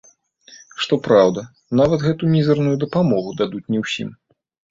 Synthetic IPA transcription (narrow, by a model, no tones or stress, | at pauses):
ʂt̪ɔpɾawd̪ɐ | navɐt̪ɣɛt̪umʲizɐrnujud̪ɐpamɔɣud̪ad̪ut͡sʲnʲɛwsʲḭm